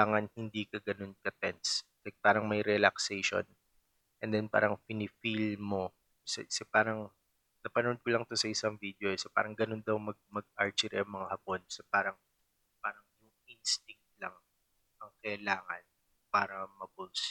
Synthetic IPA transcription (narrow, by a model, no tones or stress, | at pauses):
aːŋɐnhɪnd̪iːkɐɡɐno̞nkɐt̪ɛns | ɐpaːɾɐŋmɐjɾɛlɐksɛjʃo̰n | ʔɛnd̪ɛnpa̰ːɾɐŋpɪnɪfilmo̞ | kɐsɛ̰kɐsɛpaːɾɐŋ | nɐpɐnɐod̪̚kolɐŋt̪osɐʔɪsɐŋvid̪eosɛpa̰ɾɐŋɡɐno̞nd̪ɐwmɐɡ̚mɐɡ̚ʔaɹt͡ʃɪɾɛɐŋmɐŋahɐpo̞nkɐ̥sɛpaːɾɐŋ | paːɾɐŋjʊŋʔinst̪ɪŋk̚t̪̚lɐŋ | ʔɐŋkɐɪlaːŋɐ̰n | paːɾɐmɐbus